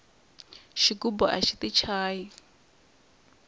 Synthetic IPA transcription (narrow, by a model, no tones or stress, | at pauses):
ʃiɡubɔʔa̰ʃit̪it͡ʃʰaːji